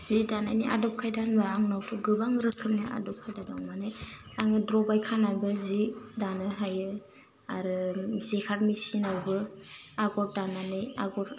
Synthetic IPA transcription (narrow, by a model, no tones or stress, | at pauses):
z̥idananiʔa̰dɔp̚kʰajdanbaaŋnawtʰuɡɯbaŋɾɯkʰɯmnia̰dɔp̚kʰajdadawmanɯjaŋɯdɾɔbajkʰananbɯzidanɯɦajɯ | aɾɯzekʰaɾmisinawbɯ | aɡɔɾ̚dananɯjaɡɔɾ